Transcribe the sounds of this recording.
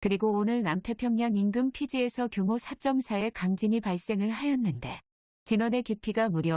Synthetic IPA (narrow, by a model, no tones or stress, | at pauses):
kɯɾiɡoːnɯɭnamtʰe̞pʰjʌŋɲaŋiŋɡɯmpʰid͡ʑie̞sʰʌkjomosʰat͡ɕ͈ʌmsʰae̞kaŋd͡ʑiɲipaɭs͈e̞ŋɯɭɦajʌnːɯnde̞ | t͡ɕinʌne̞kipʰiɡamuɾjʌ